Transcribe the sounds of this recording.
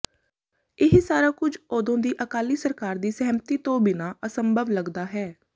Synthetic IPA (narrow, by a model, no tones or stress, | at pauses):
ɪɦsaːɾaːkʊd͡ʒoːd̪õːd̪iːʔəkaːliːsəɾkaːɾd̪iːsɛɦmt̪iːt̪õːbɪnaːʔəsəmbʱəʋləɡd̪aːɦɛː